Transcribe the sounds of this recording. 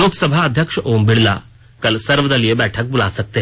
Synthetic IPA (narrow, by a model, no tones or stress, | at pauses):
loːkʰsɐbʱaɐd̪ʱjəkʂʔoːmbɪɽla̰ | kɐlsɐɾʋəd̪ɐlijebɛːʈʰɐk̚bʊlasɐk̚t̪e